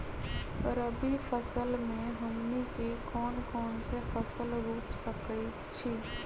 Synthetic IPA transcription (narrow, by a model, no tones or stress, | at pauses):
ɾəbifəsəlmẽɦɐmnikekɔːnkɔːnsefəsəlɾuːpsəki | t͡ʃʰi